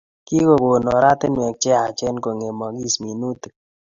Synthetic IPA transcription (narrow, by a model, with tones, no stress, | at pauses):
ki˦ko˨ɡo˨nɔ˨ɾa˦t̪ɪ˦nwɛ˨k̚t͡ʃɛ˦a˨t͡ʃɛ˦nko˨ŋe˨mɔ˨ɡi˦smi˨nu˦t̪